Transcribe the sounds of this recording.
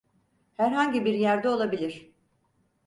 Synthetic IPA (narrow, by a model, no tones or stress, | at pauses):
hæɾɦaɲɟibiɾjæɾd̪ɛo̞lˠabilʲiɾ̥